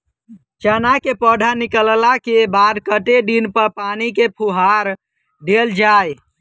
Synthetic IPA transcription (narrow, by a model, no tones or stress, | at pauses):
t͡ʃənakepəɖʱanikəllakebad̪kəʈeɖinpəɾpanikepʰuɦaɾ | ɖeld͡ʒaj